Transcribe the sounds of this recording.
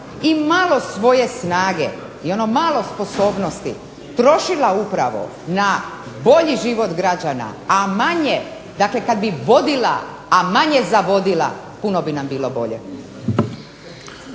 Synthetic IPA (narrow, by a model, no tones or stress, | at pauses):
imalˠo̞sʋo̞je̞snaːɡḛ | io̞nomaːlo̞spo̞so̞ːbno̞st̪i | t̪ɾo̞ʃilaupɾaʋo̞̰ | na | bo̞ʎiʒiʋo̞t̪ɡɾad͡ʑana̰amaɲe | d̪aklekad̪biʋo̞d̪ila̰ː | maɲezaʋo̞d̪ila̰ | puno̞binambiːlˠo̞bo̞ʎḛ